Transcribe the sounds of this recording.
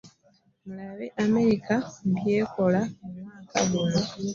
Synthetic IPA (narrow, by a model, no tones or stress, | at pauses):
mulaβeʔame̞ɾikabje̞ːko̞lamumaka̰βuno